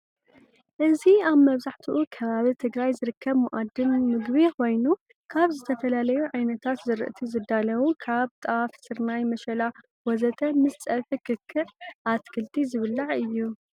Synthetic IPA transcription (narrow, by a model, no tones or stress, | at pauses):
ʔɨziaβmɐβzaħt̪ʰuʔukʰɐβaβit̪ʰɨɡɾajzɨɾɨkʰːɐβmuʔad̪ɨmmɨɡβiko̞jnu | kʰaβzɨt̪ʰɐfɐlalɐjuʕajnɐt̪ʰat̪zɨɾɨ̰ʔɨt̪ʰizɨd̪alɐwukʰaβt̪ʼɐafsɨɾnajmɐʃɐla | wɔzɐt̪ʰɐmɨst͡sʼɐlfikʰɨkʰːɨʕʔat̪kʰɨlt̪ʰizɨβɨlːɐʕɨjːu